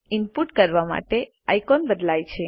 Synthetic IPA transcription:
ɪmpuʈkəɾʋama̰ʈe | a̰jkɔnbəd̪lajt͡ʃʰe

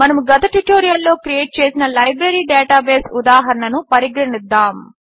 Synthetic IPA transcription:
mɐnɐmuɡɐt̪ɐʈuʈoːɾijɐlːo̞ːkɾije̞ːʈ̚t͡ʃeːsinɐlɐjbɾɐɾiːɖɛːʈaːbeːsud̪aːɦɐɾɐɳɐnupɐɾiɡɾɐɳid̪ːaːm

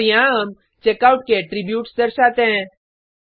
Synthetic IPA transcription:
ijãm | t͡ʃekaːʊʈ̚keʈɾibjuːʈsd̪əɾʃaːt̪ẽɦɛ̃

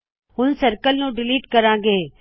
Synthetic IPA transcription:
ɦʊnsɐɾkəlnũɖɪliːʈkɐɾãːɡeː

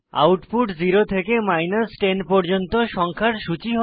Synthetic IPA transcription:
a̰wʈpuʈd͡ʑiɾot̪ʰekemajnasʈenpɔɾd͡ʑont̪oʃɔŋkʰaɾʃut͡ɕiɦɔ

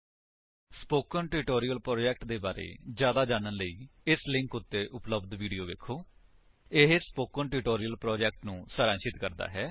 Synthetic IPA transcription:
spoːkənʈɪʈoːɾijəlpɾoːd͡ʒɛːk̚ʈd̪eːbaːɾḛːd͡ʒjaːd̪aːd͡ʒaːnənləiːɪslɪ̃ŋkʊt̪ːeːʔʊpləbd̪ʋiːɖijoːʋeːkʰoː | ɪɦespoːkənʈɪʈoːɾijəlpɾoːd͡ʒɛːk̚ʈnũːsəɾãːʃɪt̪kəɾd̪a̰ːɦɛː

